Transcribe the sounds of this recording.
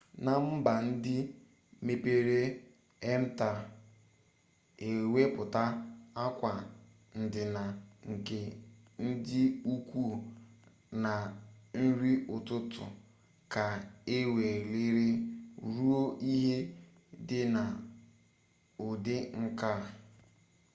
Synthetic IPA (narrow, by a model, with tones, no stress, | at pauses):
na˨m̩˦ba˨n̩˦dɪ˦ | me˦pe˦ɾe˦ | e˦m̩˦ta˨ | e˨we˦pʊ˨ta˦a˦kʷa˨ | n̩˨dɪ˨na˨ŋ̩˨ke˨n̩˦dɪ˦u˦kʷu˦˨ | na˨n̩˦ɾi˦ʊ˨tʊ˦tʊ̰˨ | ka˨e˦we˨le˦ɾe˦ɾu˦o˦ʔi˦ɦe˦ | dɪ˦na˨ | ʊ˨de˦ŋ̩˦ka˦˨